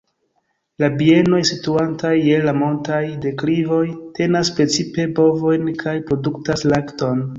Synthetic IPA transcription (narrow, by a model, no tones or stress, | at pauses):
labie̞no̞jsituantajːe̞lamo̞ntajde̞klivo̞jte̞naspɾe̞t͡sipe̞bo̞vo̞jnkʰajpɾo̞duktaslakto̞n